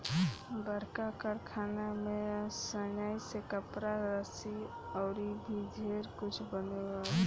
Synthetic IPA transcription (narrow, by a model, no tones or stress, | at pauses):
bəɾkakəɾkʰanamesənajsekəpɾaɾəsi | ɔʊɾid̪ʱid̪ʱeɾkut͡ʃʰbəneɡa